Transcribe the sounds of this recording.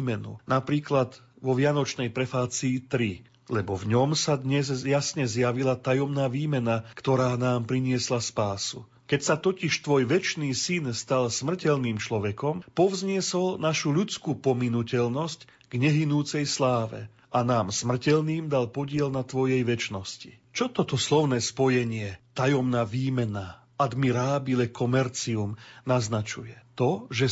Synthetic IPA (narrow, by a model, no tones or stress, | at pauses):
mɛnṵnapɾiːklad̪ | ʋɔʋɪanɔt͡ʃnɛjpɾɛfaːt͡siːt̪ɾi | lɛbɔvɲɔmsad̪ɲɛzjasɲɛzjaʋilat̪ajɔmnaːʋiːmɛnakt̪ɔɾaːnaːmpɾiɲɪɛslaspaːsu | kɛcsat̪ɔciʃt̪ʋɔjʋɛt͡ʃniːsinst̪alsmr̩cɛʎniːmt͡ʃlɔʋɛkɔmpɔvzɲɪɛsɔlnaʃuʎut͡skuːpɔminucɛlnɔsc | ɡɲɛɦinuːt͡sɛjslaːʋɛ̰ | ʔanaːmsmr̩cɛlniːmd̪alpɔɟɪɛlnat̪ʋɔjɛjʋɛt͡ʃnɔsci̥t͡ʃɔt̪ɔt̪ɔslɔʊnɛːspɔjɛɲɪɛt̪ajɔmnaːʋiːmɛna | ad̪miɾaːbilɛkʰɔmɛɾt͡siumnaznat͡ʃujɛt̪ɔʒɛ